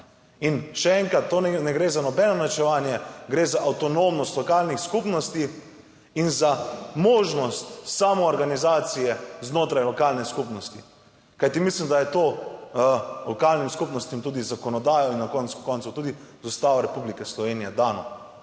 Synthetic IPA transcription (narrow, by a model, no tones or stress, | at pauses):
inʃɛɛŋkɾat̪ːoɛnɛɡɾezanɔbɛnɔnat͡ʃɛʋaːnjɛɡɾezaʔawt̪ɔnoːmnɔst̪lɔkaːlnixskupnɔst̪i | inzamoːʒnɔst̪saːmɔːɾɡanizaːt̪sijɛznoːt̪ɾajlɔkalnɛskupnɔst̪i | kajt̪imislimd̪ajɛt̪oː | lɔkalnimskupnɔst̪imt̪uːd̪izakɔnɔd̪aːjɔinːakɔnt̪sku̥kɔnsut̪uːd̪i | zɔst̪aːʋaɾɛpublikɛslɔʋeːnijɛd̪aːnɔ̰